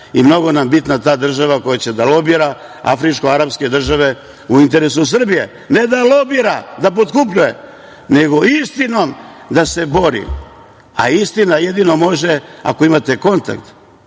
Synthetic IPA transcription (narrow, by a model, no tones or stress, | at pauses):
imno̞ɡo̞nambit̪nat̪aːd̪r̩ʒaʋako̞jat͡ɕed̪alo̞biɾa | a̰fɾit͡ʃko̞aɾapske̞d̪r̩ʒaʋe̞ | uint̪e̞ɾesus̬r̩bije̞ | ne̞d̪alobiɾad̪apot̪kupʎujḛ | ne̞ɡo̞ist̪ino̞md̪ase̞bo̞ɾḭ | a̰ist̪inajed̪ino̞mo̞ʒea̰ko̞imat̪e̞ko̞nt̪a̰kt̪